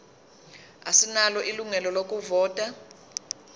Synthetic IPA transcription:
asinalɔʔiluŋɛlɔlok̬ʼuvɔːtʼa

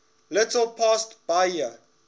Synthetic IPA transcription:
lɪtəlpʰastb̥ajə

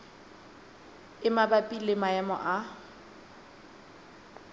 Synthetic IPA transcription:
ɪmabapʼilɪmaɛmɔ̰ʔa

